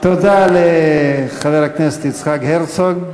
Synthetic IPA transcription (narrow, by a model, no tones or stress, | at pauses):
t̪odaleχaveʁhakneset̪it͡sχakheʁt͡soɡ